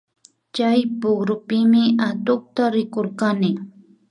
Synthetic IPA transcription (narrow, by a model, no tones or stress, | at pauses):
t͡ʃajpʊɡɾʊpɪmɪat̪ʊχ̚t̪aɾɪkoɾkanɪ